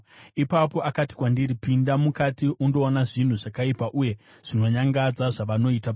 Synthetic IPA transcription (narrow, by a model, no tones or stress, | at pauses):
ipapo̞ʔakati̥kwandiɾipindamukatiʔundo̞ːnaʐin̤uʐakaipaʔuje̞ | ʐ̥ino̞ɲaŋɡad͡zaʐaʋano̞ita